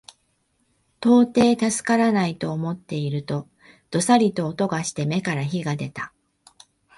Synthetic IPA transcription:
t̪o̞ːt̪e̞ːt̪asɨ̥kaɾanait̪o̞ːmo̞t̪ːe̞iɾɯ̟t̪o̞ | d̪̥o̞saɾʲit̪o̞ːt̪o̞ɡaɕi̥t̪e̞me̞kaɾaçiɡad̪e̞t̪ḁ

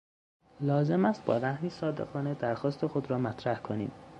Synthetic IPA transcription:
lɒːze̞mæst̪̚bɒ̰ːɾæhmiːsɒːd̪ḛɣɒːned̪æɾxɒːst̪ʰe̞xod̪ɾɒːmæt̪ʰɾæhkʰonḭːm

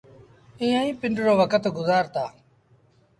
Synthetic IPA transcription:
ɪ̃ːãːĩːpɪɳɖɾoːʋəkət̪ɡʊzaːɾt̪aː

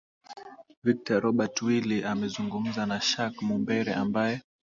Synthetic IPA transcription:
vik̚taɾɔɓatwiliʔamɛzuŋɡum̩zanaʃakmumbɛɾɛ̰ʔambajɛ

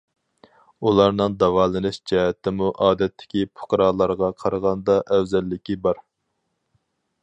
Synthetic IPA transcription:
ulˠɑɾnɨŋd̪ɑwɑːlˠɨnɪʃd͡ʒɛɦɛt̪ːɪmuʔɑːd̪ɛt̪ʰːɪ̥kʲipʰʊ̥qɾɑːlˠɑɾʁɑqʰɑɾʁɑnd̪ɑʔɛwzɛlːɪkʲibɑɾ

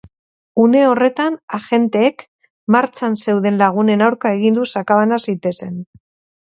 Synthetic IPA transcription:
une̞o̞re̞t̪anaʝe̞nt̪e̞ːk | maɾt͡sanse̞wðe̞nlaɣ̞une̞nawɾkae̞ɣind̪usakaβanasit̪e̞se̞n

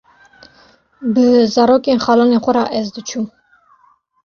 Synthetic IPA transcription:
bəzɑːɾoːkeːnxɑːlɑːneːxʷɔɾɑːʔɛzd̪ɨt͡ʃʰuː

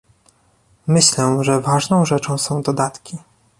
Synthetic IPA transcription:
mɘɕlɛʐɛvaʐnɔ̃w̃ʐɛt͡ʂɔ̃w̃sɔ̃w̃d̪ɔd̪at̪kʲi

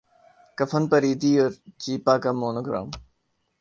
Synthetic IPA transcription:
kɐfənpɐɾiːd̪iːoɾt͡ɕiːpaːkamoːnoɡɾa̰ːm

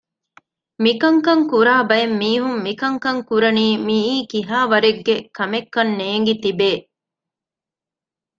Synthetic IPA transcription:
mikɐŋkɐŋkuɾaːbɐjemːiːɦumːikɐŋkɐŋkuɾɐniːmiiːkiɦaːʋɐɾeɡːekɐmekːɐnːeːŋ̆ɡit̪ibeː

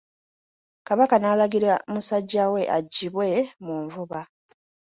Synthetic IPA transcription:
kaβakanaːlaɡiɾamusaɟːawe̞ʔa̰ɟːiβwe̞muːɱvuβa

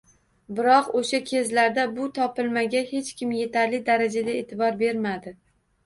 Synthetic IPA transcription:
bɪɾɒqoʃakʲʰe̞zlaɾd̪abʊt̪ʰɒpɪlmaɡʲahe̞t͡ʃkʲɪmje̞t̪ʰaɾlɪd̪aɾad͡ʒad̪aḛt̪ʰɪbɒɾbe̞ɾmad̪ɪ

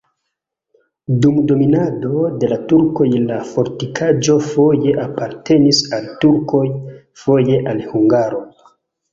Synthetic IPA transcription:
dumdo̞minado̞de̞latuɾko̞jlafo̞ɾtikʰad͡ʒo̞fo̞je̞ʔapaɾte̞nisaltuɾkʰo̞j | fo̞je̞ʔalhuŋɡaɾo̞

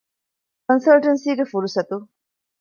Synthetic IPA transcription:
kɐnsɐlʈɐnsiːɡefuɾusɐt̪u

